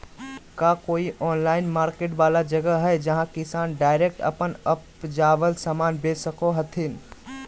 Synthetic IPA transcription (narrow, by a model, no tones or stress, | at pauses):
kakoːiʔɔːnlaːɪnmaːɾkeʈbalad͡ʒəɡəɦɛjd͡ʒəɦãkɪsaːnɖaɪɾek̚ʈə̰pənəp | d͡ʒaʋəlsamanbesəkoɦət̪ʰin